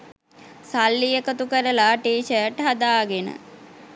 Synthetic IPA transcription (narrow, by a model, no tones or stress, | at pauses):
salːijəkət̪ukəɾəlaːʈiːʃəəʈɦad̪aːɡenə̰